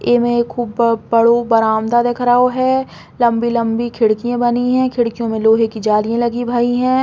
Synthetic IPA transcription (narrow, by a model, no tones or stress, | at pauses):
eːmẽkʰːuːbbɐɽobɐɾaːmd̪ad̪ekʰɾaɦoɦɛ | lɐ̃mbilɐ̃mbikʰɪɽkijãbɐniɦɛ̃ːkʰɪɽkijõmẽloːɦekid͡ʒaːlijẽlɐɡibʱaːiɦɛ̃ː